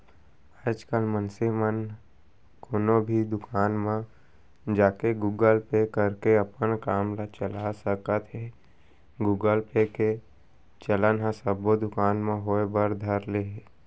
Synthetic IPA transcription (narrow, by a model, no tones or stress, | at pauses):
aːd͡ʒkəlmənsemən | koːnobʱid̪ʊkaːnmã | d͡ʒaːkeɡuːɡəlpekəɾkeəpənkaːmlat͡ʃəlasəkət̪ɦɛ | ɡuːɡəlpeke | t͡ʃələnɦãsəbod̪ʊkaːnmẽɦoebəɾd̪ʱəɾleɦe